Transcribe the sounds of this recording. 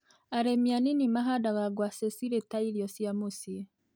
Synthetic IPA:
aɾemianinimaɦadaɣaɡwaːsesiɾetaiɾjosiamusie

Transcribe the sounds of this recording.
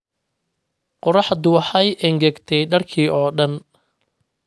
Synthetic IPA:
qɔɾɑħd̪ʊwɑħɑjʔɛŋɡɐɡt̪ʰɛjɖɐrkʰiːʔɔːɖɐn

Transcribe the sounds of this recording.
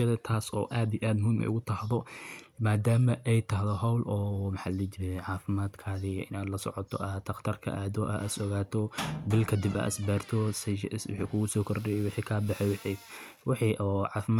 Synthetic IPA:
ɛðɛt̪ʰaːsɔ̰ːʔaːd̪ijʔaːd̪mʊmɛ̰jʊɣʊt̪ʰɐhðɔmaːd̪aːmɐʔɛjt̪ʰɐɦðɔɦɐwlɔːmħaːlɛt͡ʃɪɾɛʕaːfɪmaːd̪kʰaːðɪʔɪ̰naːd̪lɐsɔ̰ʕɔt̪ʰɔ̰ʔat̪ʰːɐqt̪ʰɐrkʰɐ̰ʔaːðɔʔaʔɐsɔɣaːt̪ʰɔbɪlkʰɐd̪ɪba̰ːʔsbɛːrt̪ʰɔswɪ̰ħḭːkʰʊɣʊsɔːkʰɔɾdɛjɛwɪħiːkʰaːbɑħɛjwɪħi | wɑħiʔɔːʕaːfɪma

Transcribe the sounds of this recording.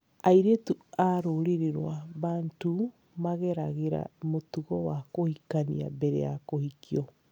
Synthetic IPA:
aiɾetuaɾoɾeɾeɾwaβantu | maɣɛɾaɣeɾa̰motuɣɔwakohikanḭa̰bɛɾɛ̰jakohikiɔ

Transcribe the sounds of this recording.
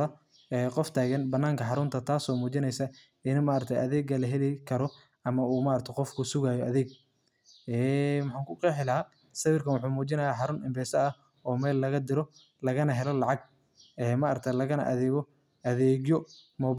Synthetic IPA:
ɐ | ɛːqɔft̪ʰaːɣɐnbɐnːaːŋkʰɐħɑɾʊnt̪ʰɐt̪ʰaːsɔːmuːt͡ʃɪnɛjsɐ | ɪnmaːɾt̪ʰɐjʔɐðɛːɡɐlɐɦɛlɛkʰɐɾɔ | ɐmɐuːmaːɾɐt̪ʰɐjqɔfkʰʊsʊɣaːjɔʔɐðɛːɡ̚ | ɛːmʊħaːŋkʰʊqɛːħɪlɐɦa | sɐwɪrkʰɐnwʊħuːmuːt͡ʃɪnɐjaːħɑɾʊnɪmbɛːsɐɐ | ɔːmɛːlːɐɣɐd̪ɪɾɔ | lɐɣɐnɐɦɛlɔlɑʕɑɡ̚ | ɛːmɐʔɐɾɐt̪ʰɐlɐɣɐnɐ̰ʔɐðɛːɣɔ | ʔɐðɛːɣjɔmɔːb

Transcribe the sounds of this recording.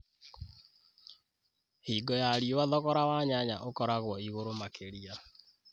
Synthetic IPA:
hiːɡɔjaɾiowaðɔɣɔɾawaɲaɲaʔokɔɾaɣwɔiɣoɾomakeɾia

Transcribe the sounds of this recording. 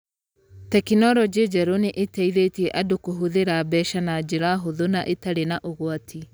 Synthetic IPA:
tɛkinɔɾɔd͡ʒed͡ʒɛɾoneʔetɛiðetiɛʔadokoɦoðeɾabɛʃanad͡ʒeɾaɦoðonaʔetaɾenaʔoɣwatʰi

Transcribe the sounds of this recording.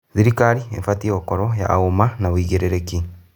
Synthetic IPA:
ziɾikaɾiḛɱfatiokoɾoja̰ːomanaβwiːɣeɾeɾeki

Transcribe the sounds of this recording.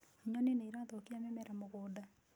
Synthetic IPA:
oɲɔneneiɾatokiamɛmɛɾamoɣoːda

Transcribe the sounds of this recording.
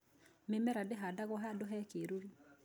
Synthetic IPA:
memɛɾadeɦadaɣɔɦadoɦɛkeɾoɾi

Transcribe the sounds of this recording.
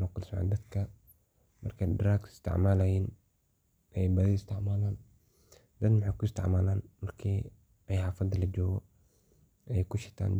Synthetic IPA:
nɐkʊlsʕa̰nd̪ɐd̪kʰɐ | mɐrkʰɛdɾaːkɪ̥st̪ʰɪ̰ʕmaːlɐjiːn | ʔɛjbɐðɪɪst̪ʰɪʕmaːlaːn | d̪ɐd̪mʊħaːkʊɪst̪ʰɪ̰ʕmaːlaːnmɐrkʰiː | ɛjhaːfɐd̪ɐlɐd͡ʒɔːɣɔ | ɛjkʊʃɪt̪ʰa̰ːn

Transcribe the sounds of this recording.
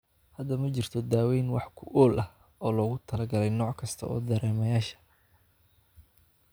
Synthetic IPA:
hɐd̪ɐmɐt͡ʃɪrt̪ʰɔd̪aːwɛjnwɑħkʰʊʔɔːlʔɐh | ɔːlɔːɣʊt̪ʰɐlɐɡɐlɛjnɔːʕkʰɐst̪ʰɐɔ̰ːd̪ɐɾɛːmɐjaːʃɐ̥

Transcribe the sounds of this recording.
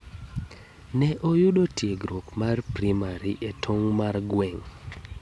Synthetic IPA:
nɛʔojʊdotjeɡɾokmarpɾimaɾiʔetʰoŋmarɡwɛŋ

